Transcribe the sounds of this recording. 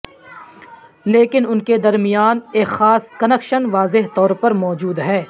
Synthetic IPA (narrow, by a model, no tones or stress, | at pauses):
leːkɪnʊnked̪ɐɾmɪjaːneːkxaːskɐnɛːkʃənʋaːzɪɦt̪ɔːɾpɐɾmɔːd͡ʒuːd̪ɦɛː